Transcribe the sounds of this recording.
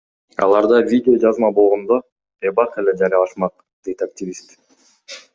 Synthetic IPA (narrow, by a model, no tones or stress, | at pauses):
ɑ̰lˠɑɾd̪ɑvʲidʲɪo̞d͡ʒɑzmɑbolˠʁo̞nd̪o | ebɑqe̞le̞d͡ʒɑɾjɑlˠɑʃmɑq̚ | d̪̥e̞jt̪aktʲivʲist̪